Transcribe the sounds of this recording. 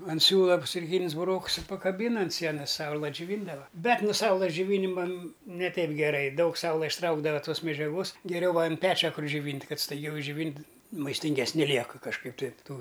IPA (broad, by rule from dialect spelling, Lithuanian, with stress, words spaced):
ɐn ˈsʲuːlˠɐ t͡sʊkˈrʲiːnʲɪs bʊˈroːks ɪ pɐkɐˈbʲiːn ɐn ˈsʲiɛnɐs ˈsɐʊlˠɐ d͡ʒʲʊˈʋʲiːndɐʋɐ ˈbʲɛt noː ˈsɐʊlˠɘs d͡ʒʲʊˈʋʲiːnʲɪmɐ nʲɛ ˈtʲɛɪp ɡʲɛˈrɐɪ ˈdɐʊk ˈsɐʊlˠɐ ɪʃˈtrɐʊɡdɐʋɐ ˈtoːs mʲɛd͡ʒʲɛˈɡoːs ɡʲɛˈrʲɛʊ ʋɐ ɐn ˈpʲæːt͡ʃʲɛ ˈkʊr d͡ʒʲʊˈʋʲiːnʲtʲ ˈkɐt stɐɪˈɡʲɛʊ ɪʒʲˈd͡ʒʲʊʋʲiːnʲtʲ mɐɪsʲtʲɪŋʲɡʲɛsʲˈnʲɪ ˈlʲiɛkɨ kɐʃˈkɐɪp ˈtɐɪ ˈtuː